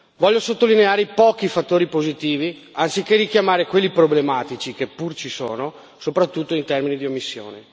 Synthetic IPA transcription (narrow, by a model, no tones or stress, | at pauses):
vɔʎːosot̪ːolineaːɾepɔːkifat̪ːoːɾipozit̪iːvi | ansikːerikjamaːɾekwelːipɾoblemaːt̪it͡ʃikepːurt͡ʃisoːno | sopɾat̪ːut̪ːoint̪ɛrminid̪iomːisːjo̰ːne